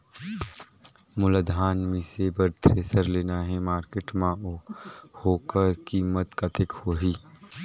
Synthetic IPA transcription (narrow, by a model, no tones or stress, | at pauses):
mʊləd̪ʱaːnmĩsebəɾt̪ɾeːsəɾleːnaɦɛmaːɾkeːʈmã | hoːkəɾkiːmət̪kat̪ɪkhoːɦiː